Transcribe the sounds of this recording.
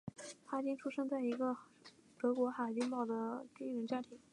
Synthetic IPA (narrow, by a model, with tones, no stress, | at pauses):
xa˥˩t͡ɕi˥ŋʈ͡ʂʰu˥ʂɤ˥˧ŋt͡sa˥˩ɪi˧˥ɡə˧ | t̪ɤ˧˥kwɔ˧˥xa˨˩t͡ɕi˥ŋmɑ˥˩ʊd̪ə˩t̪i˥˩ŋɻə˧˥nt͡ɕja˥t̪ʰi˧˥ŋ